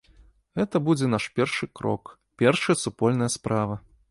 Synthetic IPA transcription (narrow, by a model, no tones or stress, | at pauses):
ɣɛt̪ɐbud͡zʲɛn̪aʂpʲɛrʂɨkɾɔ̰k | pʲɛrʂɨjɐsupɔlʲn̪ɐjɐspɾavɐ